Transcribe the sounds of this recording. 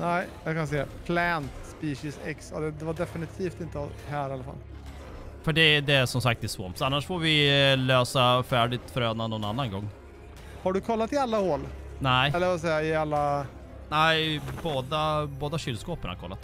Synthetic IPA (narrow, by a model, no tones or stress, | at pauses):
næɪjakʰans̬eːapʰlɛnt̪spiːɕɪsɛ̰ksad̪ɛd̪ɛvaɖɛfɪnɪt̪ʰiːft̪ɪnt̪əhæːɾɪalːafa̰lː | fœɖɛd̪ɛæʂɔmsak̚t̪ɛsvɔmt̪sanːaʂfoːɾvɪløːsafæːɖɪt̪fœɾøːnanːɔnanːanɡɔŋː | haɖɵkʰɔlːat̪ɪalːahoːlnæɪɛlːəɾvas̬ɛjaɪalːa | næɪboːd̪aboːd̪aɕʏlskoːpənha̰ɾkʰɔ̰lːa̰t̪